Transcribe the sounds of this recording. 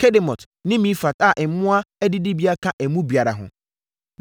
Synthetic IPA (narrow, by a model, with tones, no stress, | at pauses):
kʰɛ˦dɪ˨mɔ˨t | nɪ̃˦mĩ˦fa˨ta˦˨ʔɛ˨˦mʊ̃˦a˦ɛ˦dɪ˦dɪ˦bi˦a˦kʰã˦ʔæ˨mũ˦bi˨a˨ɾa̰˨ɦʊ̰̃˨